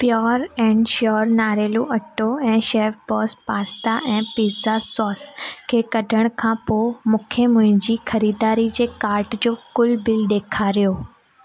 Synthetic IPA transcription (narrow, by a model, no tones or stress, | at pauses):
pjɔːɾɛ̃ːɳɖʃɔːɾnaːɾeːluʔɐʈoɛ̃ːʃeːfbɔːspaːst̪aʔɛ̃ːpiːzasɔːskʰeːkɐɖʱəɽ̃kʰãpoːmʊkʰjəmʊ̃ɦɪ̃d͡ʑiːxɐɾiːd̪aːɾid͡ʑeːkaːɾʈd͡ʑoːkʊlbɪlɗ̪eːkʰaɾijoː